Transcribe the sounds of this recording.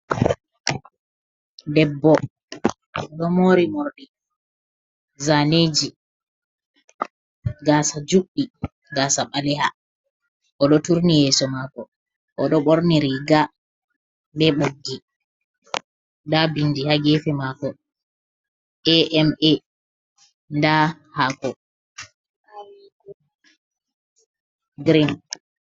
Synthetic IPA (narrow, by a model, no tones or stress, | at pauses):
dɛbːɔ | ɔɗɔmoːɾimoɾɗi | zaned͡ʒi | ɡaːsad͡ʒuɗi | ɡasaɓalɛha | ʔɔɗɔtuɾnijɛsɔmakɔ | ʔɔɗɔɓoɾniɾiɡa | ɓɛɓoɡːi | dabindihaɡɛfɛmakɔ | ʔɛʔɛmɛ | nda | hakɔ | ɡɾin